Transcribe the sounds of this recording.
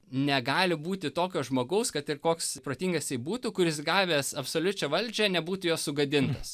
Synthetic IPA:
nʲɛɡɑːlʲɪbuːt̪ʲɪt̪oːkʲoːʒmoːɡɐʊskɐt̪ɪɾkoːkspɾoːt̪ʲiːŋɡɐstʲiɪbuːt̪uːkʊɾʲɪsɡɑːʋʲeːsɐpsoːlʲʊt͡ʃʲɛʋɐlʲd͡ʒʲɛnʲɛbuːt̪ʊjoːssʊɡɐd̪ʲɪnt̪ɐs

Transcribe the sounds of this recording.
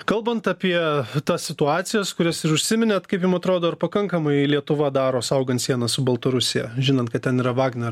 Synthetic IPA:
kɐlˠbɐnt̪ɐpʲiɛt̪ɐssʲɪt̪ʊɑːt̪sʲɪjɛskʊɾʲɛsɪɾʊʃʲsʲɪmʲɪnʲeːt̪kɐɪpjɪmɐt̪ɾoːd̪oːɪɾpɐkɐŋkɐmɐɪlʲiɛt̪ʊʋɐd̪ɑːɾoːsɐʊɡɐnt̪sʲiɛnɐsʊbɐlˠt̪ɐɾʊsʲɪjɛ̰ʒʲɪnɐnt̪kɐt̪tʲɛniːɾɐʋɑːɡnʲɛɾ

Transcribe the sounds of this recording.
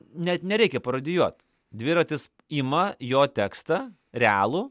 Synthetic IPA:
nʲɛt̪nʲɛɾʲɛɪkʲɛpɐɾɐd̪ʲɪjuɔt̪ | d̪ʲʋʲɪɾɐt̪ʲɪs | imɐjoːt̪ʲækst̪ɐ | ɾʲɛæ̰ːlˠuː

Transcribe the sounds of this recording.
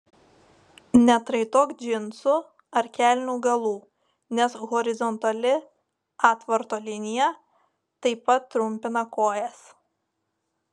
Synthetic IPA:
nʲɛt̪ɾɐɪt̪oːkd͡ʒʲɪnsʊ | ɐɾkʲælʲnʲuːɡɐlˠuː | nʲɛsɣɔɾʲɪzɔnt̪ɐlʲɪ | ɑːt̪ʋɐɾt̪oːlʲɪnʲɪjɛ | t̪ɐɪpɐt̪ːɾʊmʲpʲɪnɐkoːjɛs

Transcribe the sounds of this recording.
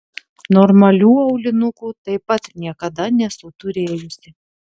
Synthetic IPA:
nɔɾmɐlʲuːɐʊlʲɪnʊkuːt̪ɐɪpɐt̪nʲiɛkɐd̪ɐnʲɛsʊt̪ʊɾʲeːjʊsʲɪ

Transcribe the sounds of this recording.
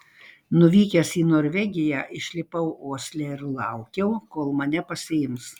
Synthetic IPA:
nʊʋʲiːkʲɛsiːnoːɾʲʋʲɛɡʲɪjæːʔɪʃʲlʲɪpɐʊoːsʲlʲɛɪɾlˠɐʊkʲɛʊkoːlˠmɐnʲɛpɐsʲɪɪms

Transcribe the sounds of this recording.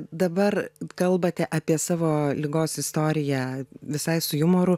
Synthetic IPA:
d̪ɐbɐrkɐlˠbɐt̪ʲɛʔɐpʲiɛsɑːʋoːlʲɪɡoːsɪst̪oːɾʲɪjæʋʲɪsɐɪsʊjʊmoːɾʊ

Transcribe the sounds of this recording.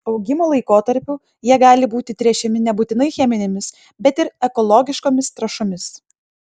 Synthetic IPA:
ɒʊɡʲɪmoːlˠɐɪkoːt̪ɐɾʲpʲʊ | jiɛɡɑːlʲɪbuːt̪ʲɪt̪ʲɾʲiɛt͡ʃʲɛmʲɪnʲɛbuːt̪ʲɪnɐɪxʲɛmʲɪnʲemʲɪs | bʲɛt̪ɪɾɛkɔlˠɔɡʲɪʃkoːmʲɪst̪ɾɐʃomʲɪs

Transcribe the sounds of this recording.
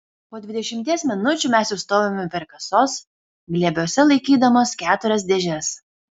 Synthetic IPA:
poːd̪ʲʋʲɪd̪ʲɛʃʲɪmʲt̪ʲiɛsmʲɪnʊt͡ʃʲʊmʲæˑsjʊst̪oːʋʲemʲɛpʲɛɾkɐsoːs | ɡlʲiɛbʲoːsʲɛlˠɐɪkʲiːd̪ɐmoːskʲæːt̪ʊɾʲɛs̬d̪ʲɛʒʲɛɾʲɛs

